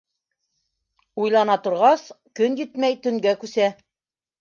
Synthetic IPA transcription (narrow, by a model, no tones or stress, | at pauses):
ujlˠɑnɑt̪ŏɾʁɑs | kɵnjɘt̪mæjt̪ɵ̆ŋɡækʉsæ